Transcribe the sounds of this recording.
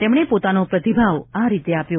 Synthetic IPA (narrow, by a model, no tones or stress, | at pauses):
t̪emɳ̃epot̪anopɾət̪ibʱaʋaɾit̪eapjo